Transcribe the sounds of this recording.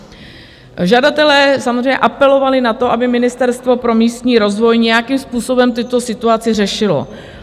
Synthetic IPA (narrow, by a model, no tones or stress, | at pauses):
ʒadat̪ɛlɛːsamozrɛjɲɛ̰ʔapɛlo̞valɪnat̪o̞ʔabɪmɪnɪst̪ɛɾst̪vo̞pɾo̞miːst̪ɲiːɾo̞zvo̞jɲɛjakiːmspuːso̞bɛmt̪ɪt̪o̞sɪt̪uat͡sɪr̝ɛʃɪlo̞̰